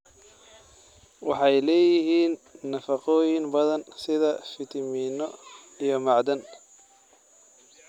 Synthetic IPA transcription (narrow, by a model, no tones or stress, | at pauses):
wɑħɑjlɛːjɪɦiːnːɐfɑqɔːjɪŋbɐðɐnsɪðɐfɪt̪ʰɪminɔ | ijɔmɑʕd̪ɐn